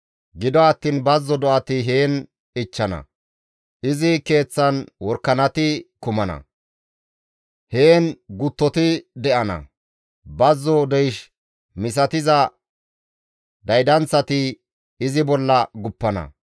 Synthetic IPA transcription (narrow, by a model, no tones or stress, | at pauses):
ɡɪd̪ɔɐt̪ːiːnbɐzːɔd̪ɔʔɐt̪ɪɦe̞ːn | ɪt͡ʃːɐnɐ̰ | ʔɪzɪke̞ːt͡sːɐnwɔɾkːɐnɐt̪ɪkʊmɐnɐ̰ | he̞ːnɡʊt̪ːɔt̪ɪd̪ɛʔɐnɐ̰ | bɐzːɔd̪ɛjʃ | mɪs̬ɐt̪ɪzɐ | d̪ɐjd̪ɐnt͡sːɐt̪ɪ | ɪzɪbɔlːɐɡʊpːɐnɐ̰